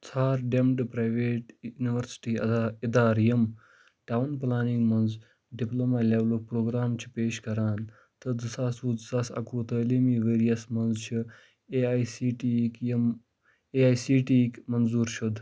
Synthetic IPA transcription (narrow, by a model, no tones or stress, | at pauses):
t͡sʰaːɾɖemʈɨpɾaːjʋeːʈjuniʋɐɾsi̥ʈiːɐid̪aːɾjɐm | ʈaːwnplaːniŋɡmɐnz | ɖiplomaːleʋlopɾoːɡɾaːmt͡ʃʰi̥peːʃkɐɾaːn | t̪ɨd͡zɨsaːsud͡zsaːsɐ̰kuːt̪əːliːmiːʋeːɾijɐsmɐnzt͡ʃʰi | iʈikm | eaːjsiːʈiːkmɐnzuːɾʃʰud̪